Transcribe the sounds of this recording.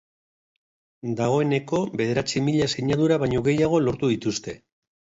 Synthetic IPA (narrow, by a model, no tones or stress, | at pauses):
d̪aɣ̞o̞e̞ne̞ko̞βbe̞ð̞e̞ɾat͡simiʎase̞ɲaðuɾaβaɲo̞ɣe̞jaɣ̞o̞lo̞ɾt̪uðit̪ust̪e̞